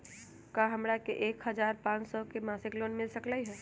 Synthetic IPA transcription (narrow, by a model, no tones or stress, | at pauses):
kaɦəmɾakeʔekɦəd͡ʒaɾpãt͡ʃsɔkemasiklonmilsəklaɦɛ